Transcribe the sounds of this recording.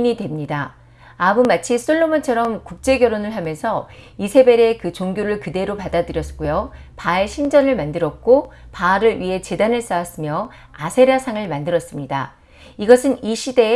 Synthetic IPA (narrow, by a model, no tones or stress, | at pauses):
ɲidwe̞mɲida | abumat͡ɕʰisʰoɭːomat͡ɕʰʌɾʌmkuk̚t͡ɕ͈e̞ɡjʌɾonɯɭɦamjʌnsʰʌ | isʰe̞be̞ɾe̞kɯt͡ɕoŋɡjoɾɯɭkɯde̞ɾopadadɯɾjʌsk͈ojopae̞ɕʰind͡ʑʌnɯɭmandɯɾʌk̚k͈opaɾɯɭɥiɦe̞t͡ɕe̞danɯɭs͈awas͈ɯmjʌ | asʰeɾasʰaŋɯɭmandɯɾʌs͈ɯmɲida̰ | iɡʌsʰɯniɕʰide̞